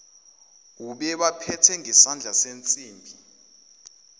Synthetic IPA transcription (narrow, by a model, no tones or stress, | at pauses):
uɓɛɓapʰɛtʰɛŋɛsand͡ɮʱasent͡sʼiːmbʱi